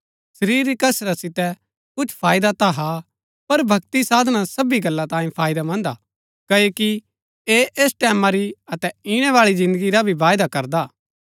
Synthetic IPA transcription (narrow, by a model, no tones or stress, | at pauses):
sɐɾiːɾikɐsɾasɪt̪ɛ | kʊt͡ʃʰpʰaːjd̪at̪aɦa | pɐɾbʱɐkt̪isaːd̪nasɐbiɡɐlːat̪ãːĩpʰaːɪd̪amɐ̃nd̪a | kɐoːki | eʔeːsʈɛːmãɾiɐt̪ɛiɽ̃ɛʋaːɭizɪ̃nd̪əɡiɾabʱiʋaːjd̪akɐɾd̪aː